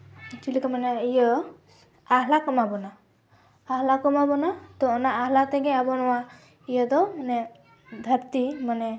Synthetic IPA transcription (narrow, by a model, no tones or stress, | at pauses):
t͡ʃilikamanaijɔ | aɦlakɔmabɔnaː | ɦlakɔmabɔnat̪ɔːnaʔaɦlat̪ɛɡɛabɔnɔwa | ijəd̪ɔmanɛ | d̪ʱaɾt̪imanɛ